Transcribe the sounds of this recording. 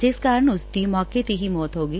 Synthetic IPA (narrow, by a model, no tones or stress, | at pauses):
d͡ʒɪskaːɾəɳʊst̪iːmɔːket̪iɦimɔːt̪ɦoːɡiː